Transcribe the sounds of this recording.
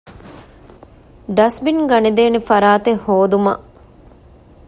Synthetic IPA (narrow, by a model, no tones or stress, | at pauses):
ɖɐsbinɡɐned̪eːnefɐɾaːt̪ehoːd̪umɐ̰ʔ